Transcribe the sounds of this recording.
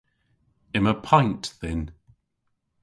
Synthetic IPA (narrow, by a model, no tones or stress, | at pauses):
ɪ̃məpʰãɪ̃ntθɪ̃n